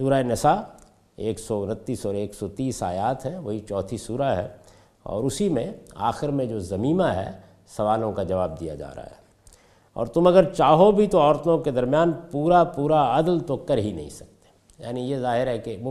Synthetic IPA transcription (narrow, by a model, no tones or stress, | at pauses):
suːɾaenɪsa | eːksɔʊnət̪ːiːsɔːɾeːksɔt̪iːsa̰ːjaːt̪ɦɛ̃ʋɐɦit͡ʃɔːt̪ʰisuːɾaɦɛ̰ | ɔ̰ːɾʊsimẽa̰ːxɪɾmẽd͡ʒoːzɐmiːmaɦɛ̰ | sɐʋaːlõkad͡ʒɐʋaːb̚d̪ija̰d͡ʒa̰ːɾa̰ɦɦa̰ɦ | ɔ̰ːɾt̪ʊmɐɡəɾt͡ʃaːɦobʱit̪oɔːɾt̪õked̪ɐɾmjaːnpuːɾapuːɾaɐd̪lt̪okɐɾɦinɐ̰ɦḭ̃sɐk̚t̪e̥ | ja̰ːnijezaːɦɪɾɦɛke